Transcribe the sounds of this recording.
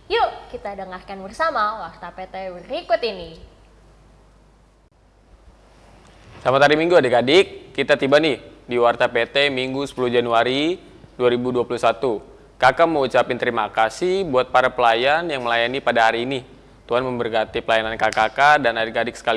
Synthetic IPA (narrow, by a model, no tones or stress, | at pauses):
jukit̪adəŋarkanbərsamawart̪apet̪ɛbəɾikʊt̪ini | samat̪aɾimiŋɡuadeɡadɪkːit̪at̪ibanɪhdiwart̪apet̪ɛmiŋɡusə̥puluhd͡ʒanuaɾi | duaɾibuduapulusat̪u | kakaməut͡ʃapɪnt̪əɾimakasibuat̪̚paɾapəlajanjaŋməlajanipadaɦaɾiːni | t̪uanməmbərkat̪ipəlajanankakakadanadekadɪk̚sə̥kali